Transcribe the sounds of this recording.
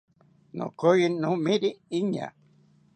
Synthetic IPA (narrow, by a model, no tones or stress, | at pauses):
nõ̰kojinõmĩɾiiɲa̰